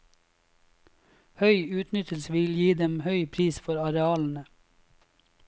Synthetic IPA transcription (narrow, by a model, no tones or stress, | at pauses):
hœʏʉːt̪nʏt̪ʰəlsʋɪljiːd̪ɛmhœʏpʰɾiːsfɔɾɑɾɛɑːln̩ə